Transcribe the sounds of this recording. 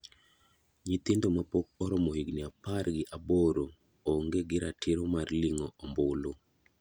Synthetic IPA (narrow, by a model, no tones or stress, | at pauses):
ɲit̪ɪndomapok̚ɔɾɔmohiɡnɪaparɡɪʔaboɾo | oŋɡeɡɪɾatʰɪɾomarliŋɔɔmbʊlo